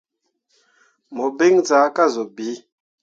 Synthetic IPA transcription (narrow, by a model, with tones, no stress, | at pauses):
mɔ˨be˦ŋd͡za˨˦ka˦˨zɔ˨bi˨˦